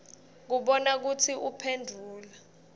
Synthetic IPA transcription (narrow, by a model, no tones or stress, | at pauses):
k̬uɓɔnak̬utʰiʔupʰendʱuːla